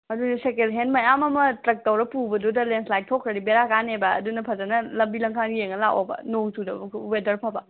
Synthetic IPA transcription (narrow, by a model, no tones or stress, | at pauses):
mɐdunisekelɦenmɐjamɐmɐtɾɐk̚tɐwɾɐpubɐdudɐlenslajk̚tʰokʰɾɐɾibeɾakanebɐ̰ːdunɐpʰɐzanɐlɐmbilɐŋkʰanɡijeŋːɐlaʔo̰bɐ̰noŋtudɐmkʰuwedɐɾpʰabɐ